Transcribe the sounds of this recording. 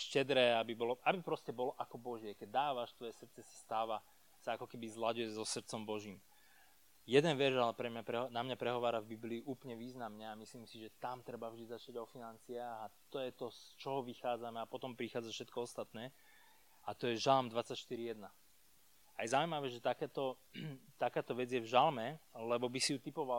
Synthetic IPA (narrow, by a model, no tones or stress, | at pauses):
ʃcɛd̪ɾɛːabibɔlɔʔabipɾɔscɛbɔlɔʔakɔbɔʒɪɛkɛɟ̚d̪aːʋaʃst̪ʋɔjɛsr̩t̪t͡sɛsḁst̪aːʋa | saakɔkɛbizlaɟujɛzɔsr̩t̪t͡sɔmbɔʒiːm | jɛd̪ɛnʋɛɾʒalɛpɾɛmɲapɾɛnamɲapɾɛɦɔʋaːɾavbibliːʔuːplɲɛʋiːznamɲɛamisliːmsiʒɛt̪amt̪ɾɛbavʒd̪izat͡ʃaɟɔfinant͡siaːɣat̪ɔjɛt̪ɔst͡ʃɔɦɔʋixaːd͡zamɛapɔt̪ɔmpɾixaːd͡zafʃɛt̪̚kɔɔst̪at̪nɛː | at̪ɔjɛʒalmd̪ʋat͡sacʃt̪iɾijɛd̪na | ajɛzaujmaʋɛːʒɛt̪akɛːt̪ɔ | t̪akaːt̪ɔʋɛd͡zjɛvʒalmɛlɛbɔbisijut̪ipɔʋa